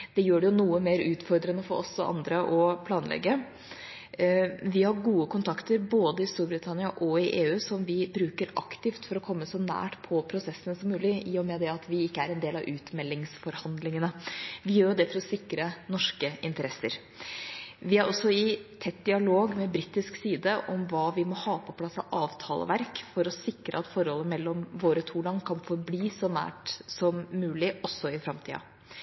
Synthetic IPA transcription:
d̪̥ɛjøːɖɛjʊnuːəmeːɾʉːt̪fɔɾd̪ɾənəfɔɾʔɔ̰sːɔ̰ʔɑ̰nd̪ɾəʔɔpʰlɑːnlɛ̰ɡːə | ʋɪhɑɾɡuːəkʊnt̪ʰɑkt̪əɾboːd̪əɪst̪uːɾbɾɪt̪ʰɑnɪɑʔɔɪʔeːʉːsɔmʋɪbɾʉːkəɾɑ̰kt̪ɪft̪fɔɾɔkʰɔmːəsɔnæ̰ːʈpʰɔpʰɾʊsɛsːənəsɔmːʉːlɪiːɔmɛd̪ɛɑt̪ʰʋɪɪkːəæɾɛnd̪eːlɑʋʔʉːt̪mɛlːɪŋsfɔɾhɑnd̪lɪŋənəʋɪjøːɾjʊd̪ɛfɔɾɔsɪkɾənɔʂkəɪnt̪əɾɛsːəɾ | ʋɪæɾɔsɔɪt̪ʰɛt̪ːd̪ɪɑloːɡmɛbɾiːt̪ːɪsksiːd̪əʔɔmʋɑːʋɪmɔhɑːpʰɔpʰlɑsːɑ̰ʔɑːʋt̪ʰɑːlə̰ʋæɾkfɔɾɔsɪkɾə̰ɑt̪fɔɾhɔlːəmɛlːɔmʋoːɾət̪ʰuːɖ̪ɑŋkʰɑnfɔɾbliːsɔnæ̰ːʈsɔmːʉːlɪɔsɔɪfɾɑmt̪ʰḭːɑ̰

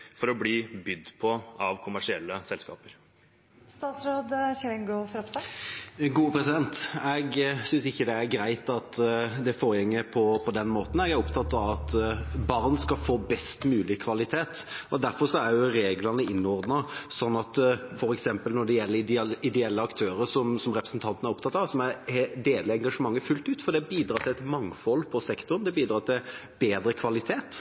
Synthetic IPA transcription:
fɔɾɔbliːbʏd̪ːpʰɔɑʋkʰʊmæʂɪɛlːəsɛlskɑ̰ːpəɾ | st̪ɑːt̪sɾoːd̪çɛɾɛŋɡɔfɾɔpsɑɡuːəpʰɾɛsɪd̪ɛnt̪ɛɡsʏnsɪçːəd̪ɛæɾɡɾæɪt̪ɑt̪d̪ɛfoːɾjɛŋːəpʰɔpʰɔd̪ɛnmoːt̪n̩ɛɡæʊpt̪ʰɑt̪ːɑʋɑt̪bɑʁnskɑfoːbɛst̪mʉːlɪkʰʋɑlɪt̪ʰeːt̪ɔd̪æɾfɔɾʂɔæɾjʊɾeːɡlɑnəɪnːɔɾd̪nɑsɔnːɑt̪fɔɾɛksɛmpəlnɔɖ̪ɛjɛlːəɾɪd̪ɛɛlːəɑkt̪ʰøːɾəɾʂɔmsɔmɾɛpɾəsnt̪ʰɑnt̪n̩æɾʊpt̪ʰɑt̪ːɑʋsɔmæɾd̪eːləɛŋɡɑʂəmɑŋːəfʉlt̪ʉːt̪fɔɾd̪ɛbiːd̪ɾɑːt̪ʰɪlɛt̪mɑŋfɔlːpʰɔsɛkt̪ʊɾnd̪ɛbiːd̪ɾɑːt̪ʰɪl | b̥eːd̪ɾəkʰʋɑlɪt̪ʰeːt̪

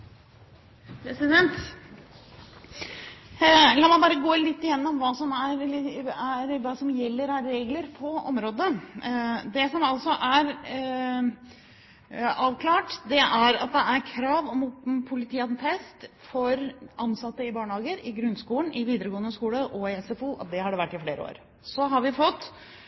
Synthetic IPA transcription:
pʰɾɛsɪd̪ɛnt̪ | lɑːmɑbɑːɾəɡoːlɪt̪ːɪjɛnːɔmʋɑːsɔmæɾæɾʋɑːsɔmjɛlːəɾæːeːɡləɾpʰɔɔmɾoːd̪ə | d̪ɛsɔmɑlsɔʔæɾ | ɑːʋkʰlɑːʈd̪ɛʔæɾɑ̰t̪̚d̪ɛæɾkʰɾɑːʋɔmpʰʊlɪt̪ʰiːɑd̪nfʰɛst̪fɔɾʔɑnːsɑt̪ːəɪbɑːɳəhɑːɡəɾɪɡɾʉnːskuːlənɪʋiːd̪əɾəɡoːənːəskuːləʔɔɪɛsɛfuʔɑ̰t̪̚d̪ɛhɑɖɛʋæʈːɪfleːɾə̰o̰ːɾ | sɔɦɑɾʋɪfɔt̪ː

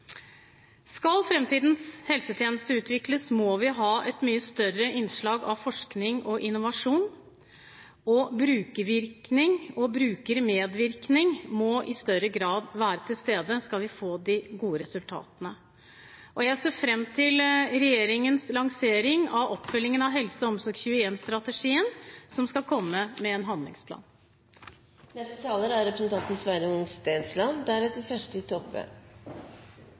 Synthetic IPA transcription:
skɑlfɾɛmt̪iːd̪n̩shɛlsət̪ʰjeːnəst̪əʉːt̪ʋɪkləsmɔʋɪɦɑːʔɛt̪myːəst̪œrəʔɪnʂɭɑːɡɑʋfɔʂknɪŋɔʔɪnːʊʋɑʂuːn | ɔbɾʉːkəʋɪɾknɪŋɔbɾʉːkəɾmeːd̪ʋɪɾknɪŋmɔʔɪst̪œɾəɡɾɑːd̪ʋæːɾət̪ʰɪlst̪eːd̪əskɑlʋɪfoːd̪ɪɡuːəɾɛsʉlt̪ʰɑ̰ːt̪ənə | ʔɔjæɪseːfɾɛmːt̪ʰɪlɾɛjeːɾɪŋənslɑŋseːɾɪŋɑʋɔpːfʏlːɪŋənɑʋɦɛlsəɔmsɔɾɡçʉəɛnst̪ɾɑt̪əʂiːənsɔmskɑlkʰɔmːəmɛːnɦɑnd̪lɪ̰ŋspʰlɑ̰ːn | nɛst̪ət̪ʰɑːləɾæɾɾɛpɾəsɛnt̪ʰɑnt̪ənsʋæɾjʊŋst̪æɪnslɑnd̪ææɾɛt̪̚d̪ɛsæʂʈəɪt̪ʰɔpʋø̰ː

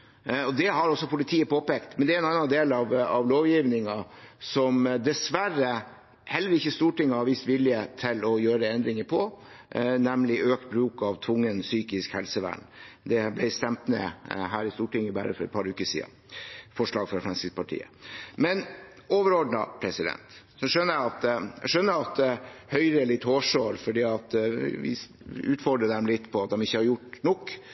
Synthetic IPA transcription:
ɔd̪ɛɦɑɾɔsːɔpʊlɪt̪ʰiːəpʰoːpeːkt̪mɛnd̪ɛæɾɛnɑnːɑnd̪eːlɑʋɑʋloːʋjiːʋnɪŋɑsɔmd̪ɛsʋæɾə | hɛlːəɾɪçːəɪst̪uːʈɪŋːəhɑɾʋiːst̪ʋɪljət̪ʰɪlɔjøːɾəɛnd̪ɾɪŋəpʰɔ | nɛmlɪʔøːk̚t̪̚bɾʉːkɑʋt̪ʰʋʊŋːənsyːkɪskhɛlsəʋæ̰ːɳd̪ɛblæɪst̪ɛmt̪mɛ̰ɦæːɾɪst̪uːʈɪŋːəbæ̰ːɾəfɔɾɛ̰t̪̚pʰɑɾʉːkəsḭːd̪ɑ̰fɔʂɭɑːɡfɾɔɾfɾɑnsɪspʰɑʈʰḭːə̰mɛn | oːʋəɾɔɖɳɑpʰɾɛsɪd̪ɛ̰nt̪ | sɔʂœnːəɾjæɑt̪æʂœnːəɾɑt̪̚d̪ɛhœʏɾəlɪt̪ːhoːʂøːɾfɔɖiːɑt̪ʋɪ̰ | ʉːt̪fɔɖɾəd̪ɛmlɪt̪ːpʰɔɑt̪̚d̪ɛmɪçːəhɑɾjʊʈnɔkː

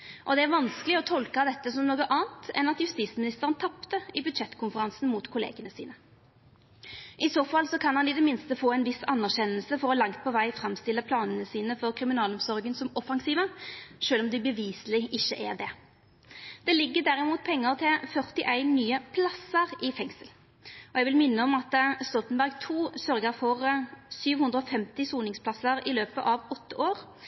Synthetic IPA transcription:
ʔɔd̪ɛæʁʋɑnskəlɪɔt̪ʰɔlkɑd̪ɛt̪ːəsɔmnoːɡəʔɑːnt̪ɛ̰nɑt̪jʉst̪iːsmɪnɪst̪əʁənt̪ʰɑpt̪əɪbʉd̪ʃɛt̪ːkʰʊnfəʁɑnsn̩muːt̪kʰʊlḛːɡənəsḭːnə | ʔɪsoːfɑlsɔkʰɑnhɑnɪd̪ɛmɪnst̪əfoːæɪnʋɪsɑnːæʁɕɛnəlsəfɔʁɔlɑŋt̪̚pʰɔʋæɪfɾɑmst̪ɪlːəpʰlɑːnənəsiːnəfɔʁkʰʁɪmɪnɑːlɔmsɔʁɡənsɔmɔfɑŋsiːʋəʃøːlɔmd̪ɪbəʋiːsəlɪʔɪçːəʔæʁd̪ɛ | d̪̥ɛlɪɡːəd̪æʁɪmuːt̪̚pʰɛŋːəʁt̪ʰɪfœʁt̪ɪʔæɪnːyːəpʰlɑsəʁɪfɛŋsəl | ɔɛɡʋɪlmɪnːəɔmɑt̪st̪ɔt̪ənbæʁɡt̪ʰuːsœɾɡəɾfɔʁsyːʋhʉnd̪ɾəɔfɛmt̪ɪsuːnɪŋspʰlɑsəɾɪløːpəʔɑʋɔt̪ʰːəʔoːɾ

